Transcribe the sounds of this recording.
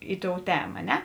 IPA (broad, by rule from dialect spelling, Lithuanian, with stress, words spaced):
ˈɪ ˌtoːʊ ˈtʲæːmɐ ɐ ˈnʲɛ